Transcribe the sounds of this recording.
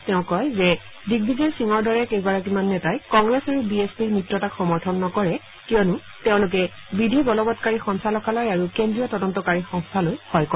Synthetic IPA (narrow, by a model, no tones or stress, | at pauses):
tɛʊ̃kɔjzɛ | diɡ̚bʱizɛsiŋɔɹdɔɹɛkejɡaɹak̬imanːɛtajkɔŋɡɹɛsaɹubiespiɹmɹitɹɔtakxɔmɔɹtʰɔnːɔkɔɹɛ | kijɔnʊ | teʊ̃lʊk̬ɛ | bidʱibɔlɔbɔtkaɹixɔŋsalɔkalɔjaɹukendɹiɔtɔdɔntɔkaɹixɔŋstʰalojhɔjkɔ